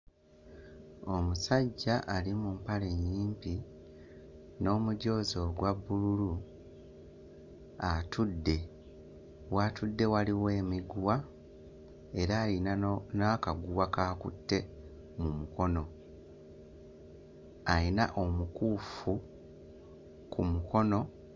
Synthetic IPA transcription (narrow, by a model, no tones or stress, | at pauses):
o̞musaɟːaʔalimumpale̞ɲːiːmpi | no̞ːmuɟo̞ːzo̞ɡwabːululu | atʰudːe̞ | watudːe̞waliwe̞ːmiɡwa | e̞ɾaːlinnakaɡuwakaːkṵtːe̞ | mumuko̞no̞ | ainaʔo̞mukuːfu | kʰumuko̞no̞